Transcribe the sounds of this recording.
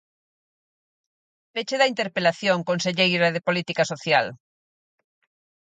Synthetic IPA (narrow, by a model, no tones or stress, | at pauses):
pet͡ʃeðɐint̪eɾpelaθjoŋkonseʎejɾɐðepolit̪ikasoθjal